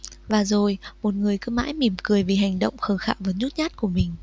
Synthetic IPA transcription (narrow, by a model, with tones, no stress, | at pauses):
vaː˨˩zo˨˩jmo˨˩t̚ŋɨ˨˩əjkɨ˧˦ma̰ː˧˥jmi˧˩əmkɨ˨˩əjvi˨˩ɦa˨˩jŋ̟ɗə̰˧˨wŋ͡mxəː˨˧˩xaː˧˩vəː˨˦nzu˦˥t̚ɲaː˦˥t̚ku˧˩əmï˨˩ŋ̟